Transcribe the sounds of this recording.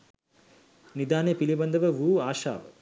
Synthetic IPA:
nid̪aːnepilibɐnd̪ɐʋɐʋuːaːʃa̰ːʋɐ

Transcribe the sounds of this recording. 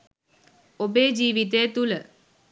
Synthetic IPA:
obeːd͡ʒiːʋit̪̬ejət̪ulə

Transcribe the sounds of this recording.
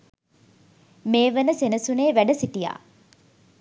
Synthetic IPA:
meːʋənəsenəsuneːʋæɖəsiʈija̰ː

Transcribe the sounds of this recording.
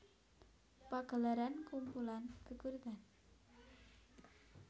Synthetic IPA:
paɡ̥ə̤laɾankumpulankəkurd̪an

